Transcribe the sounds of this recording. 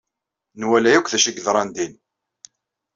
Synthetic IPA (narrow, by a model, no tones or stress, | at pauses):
nwælæjækʷθæʃiɡðɾˤɑnd̪in